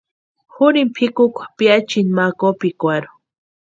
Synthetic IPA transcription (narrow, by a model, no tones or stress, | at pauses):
xʊɾimpʰikukʷḁpjat͡ʃinmakopikʷaɾu̥